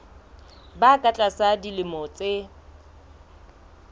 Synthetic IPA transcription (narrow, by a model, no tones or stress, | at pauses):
bakʼat͡ɬʼasadilɪmɔt͡sʼe